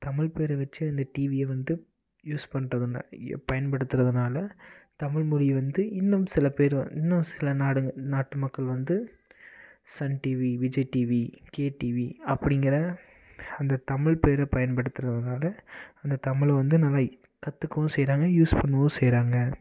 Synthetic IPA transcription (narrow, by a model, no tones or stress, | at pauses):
t̪ɐmɪɭpeːɾɐʋɐt͡ʃːɯɐnd̪ɐʈiːʋɪjɐʋɐnd̪ɯ | juːspɐɳːɾɐðɯnpɐjɐnpɐɽɯt̪ːɯɾɐðɯnaːlɐt̪ɐmɪɭmʊɻɪjʋɐnd̪ɯɪnːɯmsɪlɐpeːɾɪnːɯmsɪlɐnaːɽɯnaːʈːɯmɐkːɐɭʋɐnd̪ɯ | sɐnʈiːʋiʋɪd͡ʒɐʈiːʋikeːʈiːʋiɐpːɐɽɪŋɡɪɾɐ | ɐnd̪ɐt̪ɐmɪɭpeːɾɐpɐjɐnpɐɽɯt̪ːɯɾɐðɯnaːlɐɐnd̪ɐt̪ɐmɪɭʋɐnd̪ɯnɐlːaː | kɐt̪ːɯkːɐʋʊ̃sɛjɾaːŋɡɐjuːspɐɳːɯʋɐʋʊ̃sɛjɾaːŋɡɐ